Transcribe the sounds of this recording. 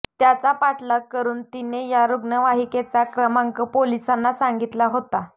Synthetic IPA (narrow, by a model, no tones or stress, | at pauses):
t̪jat͡sapaʈʰləkːəɾuːnt̪inejaɾuɡnəʋaɦiket͡sakɾəmaŋkəpolisanːasaŋɡit̪laɦot̪a